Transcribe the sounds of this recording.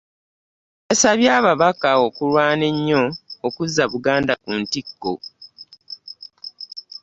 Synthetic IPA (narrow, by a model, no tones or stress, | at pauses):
esaβjaːβaβakaokulwaːne̞ɲːo̞ːkuzːaβuɡaːndakuntikːo̰